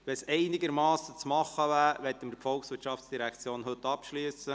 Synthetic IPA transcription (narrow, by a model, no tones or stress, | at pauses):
ʋɛsɛɪnɪɡəɾmɑːsːət͡smɑχːəvæːɾʋɛt̪ːəməɾfɔlksʋɪɾtʃɑftsd̥iɾækt͡sjoːnɦɵt̪ːɑpʃlyəsə